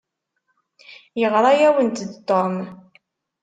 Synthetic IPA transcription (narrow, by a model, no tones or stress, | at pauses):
jəʁɾˤɑjæwənt̪d̪t̪ːom